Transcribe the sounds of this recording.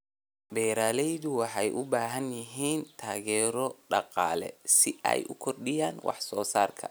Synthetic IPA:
bɛːɾaːlɛjðʊwɑħɑjʔʊbaːɦɐnjɪɦiːnt̪ʰaːɣɛːɾɔɖɑqɑːlɛ̰sɪʔɛ̰jʔʊkʰɔrɗɪjaːnwʔɑ̰ħsɔːsaːrkʰɐ̰

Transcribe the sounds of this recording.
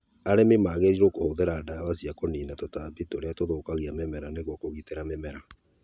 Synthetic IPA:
aɾememaɣeɾiɾokohoðeɾaːdaβasiakoniːnatotabitoɾeatoðokaɣiamemɛɾaneɣokoɣiteɾamemɛɾa

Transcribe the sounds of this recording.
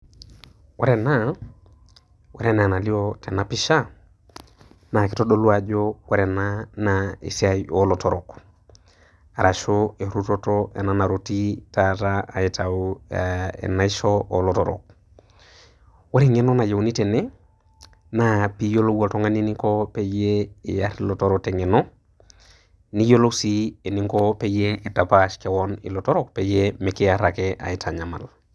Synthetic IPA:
wɔɾɛna | wɛɾɛnanaliotɛnapiʃa | naki̥tɔɗoluad͡ʒowɛɾɛnanaḭsiaolɔtɔɾɔ̰k | aɾʔaʃoeɾutotɔʔɛ̰nanaɾotitataaitau | ɛ̰naiʃɔʔolotoɾo̰k̚ | waɾiŋenonajewnitene | napijoloɡoltoŋaninikopejeijaɾilotoɾoteŋeno | nijolosieniŋkopejeidapaʃkewonḭlotoɾok̚pejemekijaɾakeʔa̰itaɲama̰l

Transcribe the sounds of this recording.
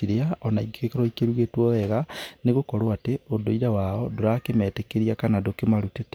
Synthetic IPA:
iɾeaʔɔnaiɡekeɾɔikeɾuɣetwɔɛɣaneɣokɔɾoateodoiɾawaɔdoɾakemɛːtekeɾiakanadokemaɾutet

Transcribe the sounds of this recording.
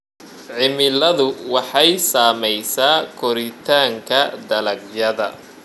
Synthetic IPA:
ʕɪmɪlɐðʊwɑħɑjsaːmɛjsaːkʰɔɾɪt̪ʰaːŋkʰɐd̪ɐlɐɡjɐðɐ̰

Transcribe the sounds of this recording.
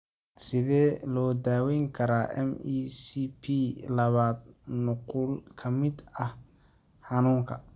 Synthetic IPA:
sɪðɛːlɔːd̪aːwɛjŋkʰɐɾaːʔɛ̰misipʰilɐβaːd̪̚nʊkʰʊlkʰɐmɪd̪ɐhhɑnuːŋkʰɐ̰

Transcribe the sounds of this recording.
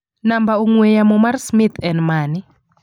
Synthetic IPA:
nambauŋwɛjamɔmaɾsmit̪ʰɛnmaːni

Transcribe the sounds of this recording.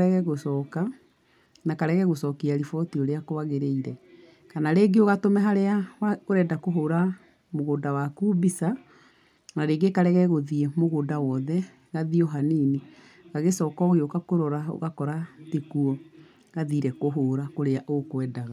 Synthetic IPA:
ɾɛɣɛɣosɔːka | nakaɾɛɣɛɣosɔkiaɾifɔtioɾeakoaɣeɾeiɾɛ | kanaɾeɡeoɣatomɛɦaɾeaaɣoɾɛːdakoɦoːɾa | moɣoːndawakubisa | naɾeːɡekaɾɛɣɛɣoðiemoɣoːndawɔðɛ | ɣaðiɔɦaniːni | ɣaɣesɔːkɔoɣeokakoɾɔɾao̰ɣakɔɾatekuɔ | ɣaðiːɾɛkoɦoːɾakoɾeaʔokwɛːdaɣa

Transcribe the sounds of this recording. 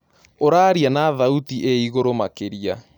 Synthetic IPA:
oɾaːɾianaðautiʔeiɣoɾomakeɾia

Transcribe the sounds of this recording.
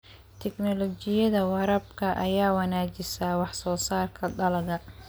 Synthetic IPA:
t̪ʰɛɡnɔlɔt͡ʃɪjɐðɐwɑɾɐb̚kʰɐʔɐjaːwɑnaːt͡ʃɪsawɑħsɔːsaːrkʰɐɖɐlɐɣɐ

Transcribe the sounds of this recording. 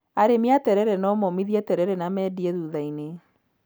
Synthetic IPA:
aɾemjatɛɾɛɾɛnɔmɔmiðiatɛɾɛɾɛnamɛdiɛðuːðaine

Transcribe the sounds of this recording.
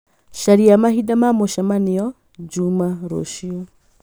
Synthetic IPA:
ʃaɾiamahidamamɔʃamanɛɔ | d͡ʒumaɾɔ̰ʃiɔ

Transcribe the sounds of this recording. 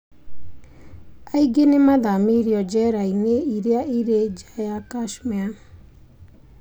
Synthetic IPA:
aiɡenemaðamiɾiɔd͡ʒɛɾaineiɾeaiɾed͡ʒajakaʃmɛa

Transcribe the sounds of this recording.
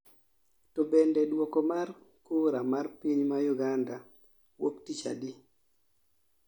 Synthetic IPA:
tobɛndɛdwɔkɔmarkuɾamarpiɲmajuɡanda | woktit͡ʃa̰di

